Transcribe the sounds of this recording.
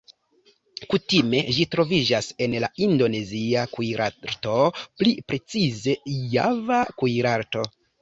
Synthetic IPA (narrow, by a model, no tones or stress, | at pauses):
kutime̞ʒitɾo̞vid͡ʒase̞nlaindo̞ne̞ziakujɾʔaɾto̞plipɾe̞t͡size̞ja̰vakujɾaɾto̞